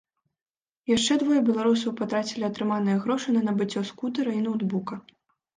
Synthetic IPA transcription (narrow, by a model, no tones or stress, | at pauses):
jaʂt͡ʂɛd̪vɔjɐbʲɛlˠaɾusɐwpat̪ɾat͡sʲilʲiɐt̪ɾɨmanɨjɐɣɾɔʂɨnɐnɐbɨt͡sʲːɔskut̪ɐɾɐinɐwd̪bukɐ